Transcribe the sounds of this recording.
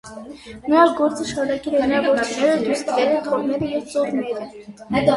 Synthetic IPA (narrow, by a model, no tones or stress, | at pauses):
nəɾɑkɡɔɾt͡səʃɑɾunɑkɛlɛɑvɔɾt͡sʰunɛɾəd̪ust̪ɾɛɾət̪ʰɔʁnɛɾəjɛvt͡sɔrnɛɾə